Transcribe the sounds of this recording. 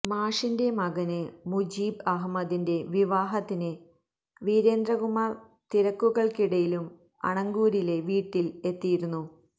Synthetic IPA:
maːʂinde̞mɐɣɐnɨmud͡ʑiːbɐɦmɐd̪inde̞ʋiʋaːɦɐt̪ːinɨ | ʋiːɾe̞ːnd̪rɐɣumar | t̪iɾɐkːuɣɐɭkiɽɐjilum | ɐ̰ɳɐŋɡuːɾile̞ʋiːʈːile̞t̪ːijiɾunːu

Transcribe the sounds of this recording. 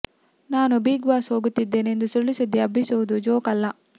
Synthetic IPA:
naːnubiːɡʋaːshoːɡut̪ːid̪ːe̞ːnend̪usuɭːisid̪ːiɐbʱisuʋud̪ud͡ʒoːkɐlːɐ

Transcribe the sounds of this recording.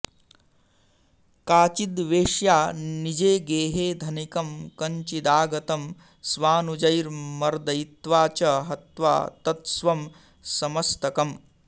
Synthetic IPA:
kaːt͡ʃid̪ʋeːʂjaːnid͡ʒeːɡeːɦeːd̪ʱɐnikɐmkɐɲt͡ʃid̪aːɡɐt̪ɐm | sʋaːnud͡ʒɐjɾmɐɾd̪ɐjit̪ʋaːt͡ʃɐɦɐt̪ʋa̰ːt̪ɐt̪sʋɐm | sɐmɐst̪ɐkɐm

